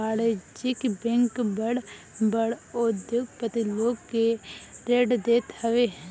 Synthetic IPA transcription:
aːled͡ʒɪkbẽŋkbəɽ | bəɽod̪joɡpət̪iloːɡkeɾeːɖd̪eːt̪hɐʋeː

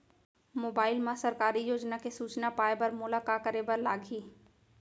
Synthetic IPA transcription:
moːbaːɪlmãsɐɾkaːɾijoːd͡ʒnakesuːt͡ʃnapaːebɐɾmʊlakaːkəɾebəɾlaːɡʱiː

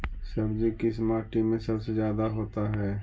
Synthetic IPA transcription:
sɐbd͡ʒikɪsmaːʈimẽsɐbsezjaːd̪aɦoːt̪aɦɛː

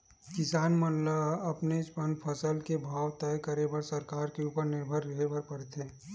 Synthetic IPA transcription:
kɪsaːnmənləɐpneɪspənpʰəsəlkebʱaːwt̪əjkəɾebɐɾsəɾkaːɾkeuːpəɾnɪɾbʱəɾːɐɦebɐɾpəɾt̪ʰe

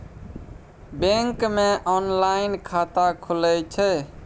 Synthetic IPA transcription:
beŋkmeʔɔnlaɪnkʰat̪akʰulət͡ʃʰɛ

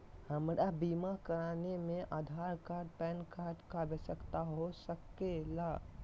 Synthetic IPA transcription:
həmɾabiːmakəɾaːnemẽʔaːd̪ʱaːɾkaːɾɖ̚pɛːnkaːɾɖkabesəkt̪aɦosəkːela

